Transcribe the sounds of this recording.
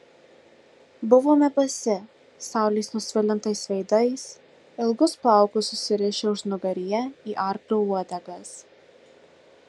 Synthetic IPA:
bʊʋoːmʲɛbɐsʲɪ | sɑˑʊlʲiːsnʊsʲʋʲɪlʲɪnt̪ɐɪsʋʲɛɪd̪ɐɪs | ɪlˠɡʊspɑˑʊkʊsʊsʲɪɾʲɪʃʲeʊʃnʊɡɐɾʲɪjɛiːʔɑˑɾklʲoːuɔd̪ʲɛɡɐs

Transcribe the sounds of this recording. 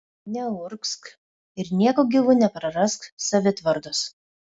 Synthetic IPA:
nʲɛʊɾksk | ɪɾnʲiɛkoːɡʲɪʋʊnʲɛpɾɐɾɐsksɐʋʲɪt̪ʋɐɾd̪ʊs

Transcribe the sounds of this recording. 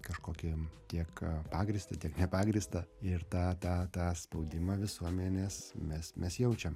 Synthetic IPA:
kɐʃkoːkʲɪt̪ʲiɛkpɑːɡɾʲɪst̪ɐt̪ʲiɛknʲɛpɑːɡɾʲɪst̪ɐɪrt̪ɑːt̪ɑːt̪ɑːspɐʊd̪ʲɪmɑʋʲɪsuɔmʲɛnʲeːsmʲɛsmʲɛsjɛʊt͡ʃʲɛm

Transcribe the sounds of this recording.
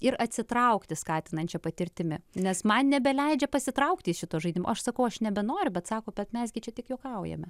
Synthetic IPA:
ɪɾɐt̪ʲsʲɪt̪ɾɐʊkt̪ʲɪskɑːt̪ʲɪnɐnʲt͡ʃʲɛpɐt̪ʲɪɾʲt̪ʲɪmʲɪnʲɛsmɐnnʲɛbʲɛlʲɛɪd͡ʒʲɛpɐsʲɪt̪ɾɐʊkt̪ʲɪsʃʲɪt̪oːʒɐɪd̪ʲɪmo̰ʔɐʃsɐkɐʊɐʃnʲɛbʲɛnoːɾʲʊbʲɛt̪sɑːkoːbʲɛt̪mʲɛsɡʲɪt͡ʃʲɛt̪ʲɪkjoːkɐʊjɛ̰mʲɛ

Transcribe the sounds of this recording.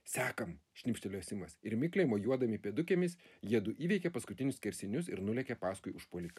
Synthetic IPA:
sʲɑːkɐmʃʲnʲɪpʲʃʲt̪ʲɛlʲoːsʲɪmɐsɪɾmʲɪklʲeɪmoːjuɔd̪ɐmʲɪpʲiɛd̪ʊkʲeːmʲɪsjiɛd̪ʊʔiːʋʲɛɪkʲɛpɐskʊt̪ʲɪnʲʊsʲkʲɛɾʲsʲɪnʲʊsɪɾnʊlʲɛkʲɛpɑːskʊɪʊʃpoːlʲɪkɐ

